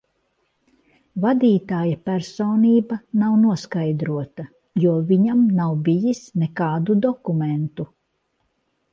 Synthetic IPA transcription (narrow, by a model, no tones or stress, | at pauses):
vad̪iːt̪aːjapæɾsɔːniːbɐnawnuɔskajd̪ɾuɔt̪a | juɔviɲamnawbijisnɛkaːd̪ud̪ɔkumɛnt̪u